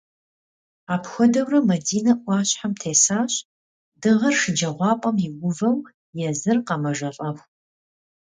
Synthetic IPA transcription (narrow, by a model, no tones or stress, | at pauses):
aːpxʷɔdɐwrɐmɐdiːnɐʔʷɑːɕħamtʰeːsaːɕ | dɨʁɐrʂɨd͡ʒɐʁʷɑːpʼɐmjɪɡʷʊvɐw | jɛzɨrqɐmɐʒɐɬʼɐxʷ